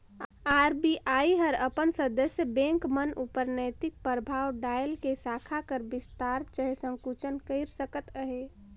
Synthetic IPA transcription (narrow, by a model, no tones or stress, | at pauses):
aːɾbiʔaːiɦəɾəpənsəd̪əsjəbɛ̃ŋkmənupəɾnəjt̪ɪk̚pɾəbʱaːwɖaːjəlkesaːkʰakəɾbɪst̪aːɾt͡ʃəɦesə̃ŋkut͡ʃənkəɪɾsəkət̪əɦe